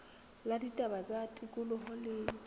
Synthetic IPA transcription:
laditʼabazatʼikʼʊlʊhɔleːi

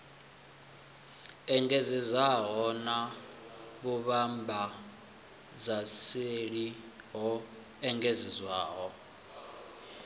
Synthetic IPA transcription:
ɛŋɡezizaɦɔna | βuβambʱa | d͡zaseɺi | ɦɔ | ɛŋɡezizwaːɦɔ

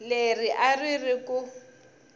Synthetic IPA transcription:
leriʔaririku

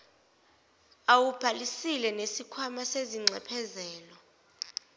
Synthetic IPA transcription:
awub̥ʱalisilɛnesikʰwamaseziŋ͡ǀʱɛpʰɛzɛːlɔ

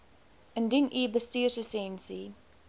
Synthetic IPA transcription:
əndinʔiːbəstiːrsəsɛnsi

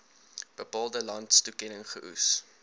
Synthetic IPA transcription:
b̥əpɑːlˠdəlɐntstukɛnəŋχəʔṵs

